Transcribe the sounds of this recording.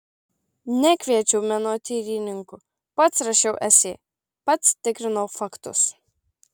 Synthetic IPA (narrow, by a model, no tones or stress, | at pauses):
nʲækʲʋʲiɛt͡ʃʲɛʊmʲɛnoːt̪ʲiːɾʲinʲɪŋkʊ | pɐt̪sɾɐʃʲɛʊʔɛsʲeː | pɐt̪st̪ʲɪkɾʲɪnɔʊfɑkt̪ʊ̰s